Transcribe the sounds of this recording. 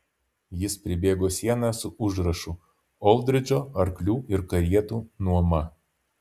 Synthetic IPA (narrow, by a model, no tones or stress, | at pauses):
jɪspʲɾʲɪbʲeːɡoːsʲiɛnɑsʊʊʒɾɐʃʊ | ɔlˠd̪ʲɾʲɪd͡ʒʲoːɐɾklʲuːɪɾkɐɾʲiɛt̪uːnuɔmɐ